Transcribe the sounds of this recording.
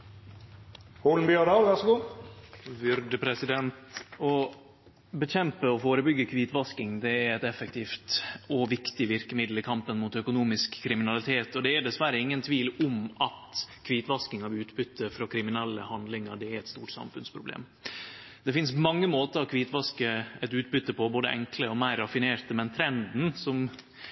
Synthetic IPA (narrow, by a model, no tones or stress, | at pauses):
huln̩bjød̪ɑːʋæʁsəɡuː | ʋʏɾɖ̪əpʰɾɛsɪd̪ɛnt̪ɔ | bəɕɛmpəɔfoːɾəbʏɡːəkʰʋiːt̪ʋɑskɪŋd̪ɛæɾɛt̪ɛfːək̚t̪ʰiːft̪ɔʋɪkt̪ɪʋɪɾkəmɪd̪l̩ɪkʰɑmpənmuːt̪œkʊnuːmɪskʰːɾɪmɪnɑlɪt̪ʰeːt̪ɔd̪ɛːɖɛsʋæɾəɪŋːənt̪ʰʋiːlʊmɑt̪kʰʋiːt̪ʋɑskɪŋɑʋʉːt̪bʏt̪ːəfɾɔkʰɾɪmɪnɛlːəhɑnd̪lɪŋəɖɛæɾɛt̪st̪uːʈsɑ̰mfʉnspʰɾʊblḛːm | d̪̥ɛfɪnsmɑŋːəmoːt̪əɾɔkʰʋiːt̪ʋɑskəɛt̪ʉːt̪̚bʏt̪ːəpʰɔboːd̪əʔɛŋkləɔmæɪɾːɑfɪneːɾt̪əmɛnt̪ʰɾɛnd̪n̩sɔm